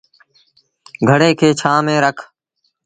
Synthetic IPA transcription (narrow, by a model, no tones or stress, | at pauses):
ɡʱəɽeːkʰeːt͡ʃʰaːmẽːɾəkʰ